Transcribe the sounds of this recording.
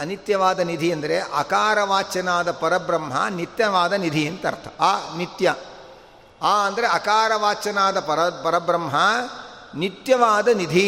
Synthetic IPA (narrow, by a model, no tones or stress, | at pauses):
ɐnit̪jɐʋaːd̪ɐnid̪ʱiɐnd̪ɐɾeʔɐkaːɾɐʋaːt͡ʃɐnaːd̪ɐpɐɾɐbɾɐmɦɐ̰nit̪jɐʋaːd̪ɐnid̪ʱiɐnt̪ɐ̰ɾt̪ʰɐ̥aːnit̪jɐ | aːɐnd̪ɐɾeɐkaːɾɐʋaːt͡ʃɐnaːd̪ɐpɐɾɐpɐɾɐbɾɐmɦɐ | nit̪jɐʋaːd̪ɐnid̪ʱi